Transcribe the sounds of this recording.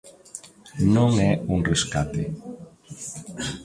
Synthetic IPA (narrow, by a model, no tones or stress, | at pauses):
nõŋɛuŋreskat̪e